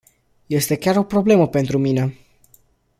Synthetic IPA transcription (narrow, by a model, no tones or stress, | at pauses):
je̞st̪e̞kʲaɾo̞pɾo̞ble̞məpe̞nt̪ɾumine